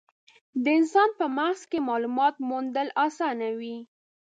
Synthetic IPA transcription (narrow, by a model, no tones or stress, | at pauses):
d̪əɪnsɑnpəmahzkemɑlumɑt̪mund̪əlɑsɑnawi